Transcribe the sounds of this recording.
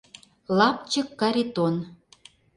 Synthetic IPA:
lɑp̚t͡ɕə̆kːɑɾet̪on

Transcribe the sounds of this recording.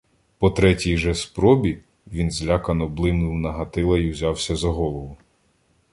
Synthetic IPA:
pɔt̪ɾɛtʲijʒɛspɾɔbʲi | ʋʲinzlʲakɐnɔblˠɪmnʊwnɐɦɐt̪ɪlˠɐiwzʲɑwsʲɐzɐɦɔlˠɔʋʊ

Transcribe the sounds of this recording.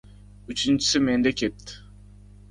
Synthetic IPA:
yt͡ʃʰynt͡ʃi̥simend̪ɛkʰʲet̪ːɪ̥

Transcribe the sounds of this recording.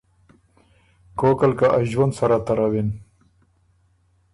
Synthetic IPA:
koːkalkaʔaʒwɐnd̪sɐɾat̪ɐɾawin

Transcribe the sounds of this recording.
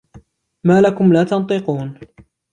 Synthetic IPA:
maːlakʊmlaːt̪ɑnt̪ˤɨquːn

